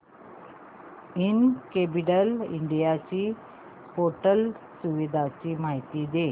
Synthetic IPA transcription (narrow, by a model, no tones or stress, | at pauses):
inkepiʈəlḭɳɖijat͡ɕiː | poʈəlsuʋid̪ʱat͡ɕiːmaɦit̪id̪e